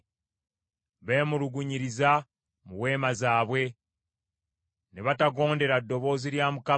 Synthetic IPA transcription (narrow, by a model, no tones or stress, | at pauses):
βe̞ːmuluɡuɲiɾiza | muwe̞ːmazaːβwe̞ | neβataɡo̞ːnde̞ɾadːo̞βo̞ːziɾjaːmuka